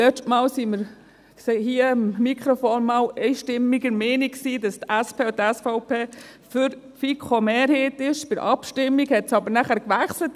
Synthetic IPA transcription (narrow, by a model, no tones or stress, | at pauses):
lɛt͡ʃtmɑːlsiməɾ | sehiəɑmːikχɾofoːnmɑːlɛɪʃtɪmːiɡəɾmɛːniksiːdɑstæspʰeːtæsfɔʊpʰeː | fʏɾ | fikʰχomeːɾhɛtɪʃfɪɾʔɑ̰pʃtɪmːiɡhɛtsɑbəɾnæχæɾkʋæχslət